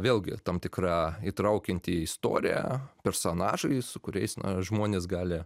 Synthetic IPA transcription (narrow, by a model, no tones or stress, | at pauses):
ʋʲeːlʲˠɡʲɪ̰t̪ɑmt̪ʲɪkɾɑːit̪ɾɐʊkʲɪnʲt̪ʲiɪst̪o̰ːɾʲɪ̰jæ̰pʲɛɾsoːnɑːʒɐɪsʊkʊɾʲɛ̰ɪsnɐ̰ʒmoɔnʲeːs̬ɡɑːlʲɪ